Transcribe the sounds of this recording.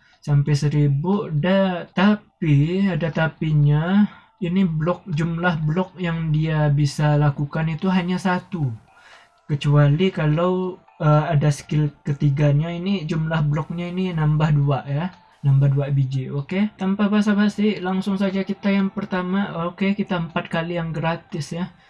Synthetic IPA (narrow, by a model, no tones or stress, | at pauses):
sampajsəɾibʊʔdat̪apiadat̪apiɲa | iniblɔk̚d͡ʒumlahblɔk̚jaŋdiabisalakukanit̪uɦaɲasat̪u | kət͡ʃualikalaw | əadaskɪlkət̪iɡaɲainid͡ʒumlahblɔk̚ɲaininambahduaʔja | nambahduaʔbid͡ʒioket̪ampahbasabasɪlaŋsʊŋsad͡ʒakit̪ajaŋpərt̪amaokekit̪aəmpat̪̚kalijaŋɡɾat̪ɪsja